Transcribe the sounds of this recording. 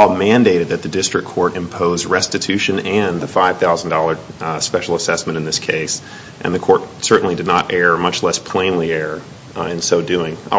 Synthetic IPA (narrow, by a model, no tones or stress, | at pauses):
ɔlˠmæ̃ndeɪɾɨd̪̚ðɨt̪̚ðɨdɪstɹ̥ɨkʰːɔɹɾɨ̃mpʰoʊzɹɛstɨtʰʉʃɨ̃nɨ̃nðəfaɪv̥θaʊzn̩dɔlˠə˞spɛʃl̩ˠəsɛsmɨ̃ɾ̃ɨ̃nðɪskʰeɪs | ʔɨ̰̃nðɨkʰɔɹt̚sɜ˞ʔn̩lidɨdⁿnəɾʔɛɹmʌt͡ʃlɛspʰl̥ẽɪ̃nliɛɹ | ɨ̃nsoʊdʉɪ̃ŋ